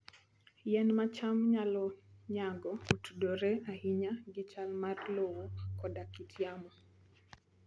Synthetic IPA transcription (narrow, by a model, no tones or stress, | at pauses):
jɛnmat͡ʃamɲalɔɲaɡɔutudoɾeahiɲaɡɪt͡ʃalmarlowokɔdakitʰjamɔ